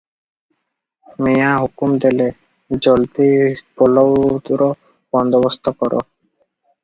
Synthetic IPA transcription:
mijaɦukumd̪ele | d͡ʑolt̪ipolowt̪ɾo | b̥ɔnd̪obost̪ʰokɔɾʔo̰

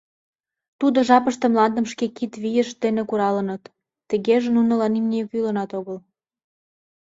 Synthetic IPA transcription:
t̪ud̪oʒɑpəʃt̪ə̆mlɑnd̪ə̆mʃkekit̪βijəʃd̪enekuɾɑlənət̪ː | ə̆ɣeʒenunə̆lɑnimnʲejokylənɑt̪oɣəl

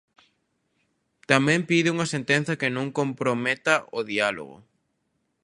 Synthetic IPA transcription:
t̪amɛ̃mpiðɪuŋɐsẽnt̪en̟θɐkɪnõŋkompɾomet̪ɐʔoðialo̰ɣʊ̰

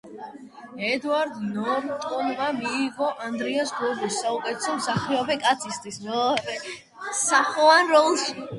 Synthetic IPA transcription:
ɛd̪uaɾd̪nɔɾt̪ʼɔnvamiːɡɔʔand̪ɾiasɡɔbɔsːaukʼɛt̪ʰɛsɔmsaχɾɛɔbɛkʼat̪sʰist̪ʼismɛɾɛ | saχɔanɾɔlˠʃi

